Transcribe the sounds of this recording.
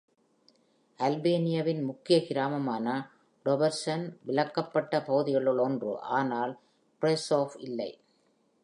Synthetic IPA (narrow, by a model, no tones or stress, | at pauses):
ʔɐlbeːnɪjɐʋɪnmʊkːɪjɐkɪɾaːmɐmaːnɐ | ɖɔbɐɾsɐnʋɪɭɐkːɐpːɐʈːɐpɐɣɯðɪɣɐɭɯɭɔndrɯ̰ʔaːnaːl | pɾɛsoːfɪlːɐɪ